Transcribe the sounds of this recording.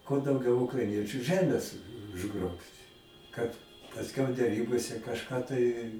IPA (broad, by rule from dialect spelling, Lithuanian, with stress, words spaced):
kuɔ dɐʊˈɡʲɛʊ ʊkrɐɪˈnʲiɛt͡ʃʲʊ ˈʒʲæːmʲeːs ʊʒˈɡroːpʲtʲ ˈkɐt pɐsʲˈkʲɛʊ dʲɛˈrʲiːboːsʲɛ kɐʃˈkɑː tɐɪ